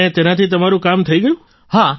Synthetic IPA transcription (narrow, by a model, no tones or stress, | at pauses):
et̪enat̪ʰit̪əmaɾũkamt̪ʰəiɡəjũ | ha